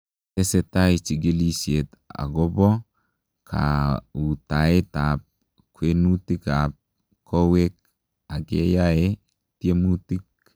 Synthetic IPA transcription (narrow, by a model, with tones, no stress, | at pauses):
te˦se˨ta˦i˨t͡ʃi˨ɡe˦li˦sje˨t̪ | a̰˨ɡo˦bɔ˦ | kʰa̰˨u˨ta˨e˦ta˨p̚ | kwe˦nu˦ti˦ka˨p̚ | ko˦we˦k̚ | a˨ɡe˦ja˦e˦ | ti˦e˦mu˦ti˦k̚